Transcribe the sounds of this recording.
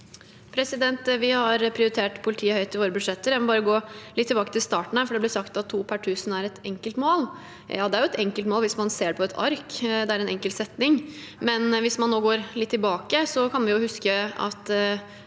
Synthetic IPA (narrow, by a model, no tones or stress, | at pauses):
pʰɾɛsɪd̪ɛnt̪ʋɪhɑɾpʰɾɪʊɾɪt̪ʰeːʈpʰʊlɪt̪ʰiːəhœʏt̪ʰːɪʋoːɾəbʉd̪ʂɛt̪ːəɾjæmɔbɑːɾəɡoːlɪt̪ʰːɪlbɑːkət̪ʰɪlst̪ɑːʈɳ̩hæɾfɔɖɛb̪ɪsɑkt̪ɑt̪ʰːuːpʰæʈʰʉːsənæɾɛt̪ɛŋkəlt̪moːl | jɑ̰ːd̪ɛæɾjʊɛt̪ɛŋkəlt̪moːlʋɪsmɑnseːɖɛpʰɔɛt̪ʰɑ̰ɾkd̪ɛæɾɛnɛŋkəlsɛt̪nɪŋmɛnʋɪsmɑnːoːɡoːɾlɪt̪ʰːɪlbɑːkəsɔkʰɑnʋɛnjʊhʉskəɑ̰t̪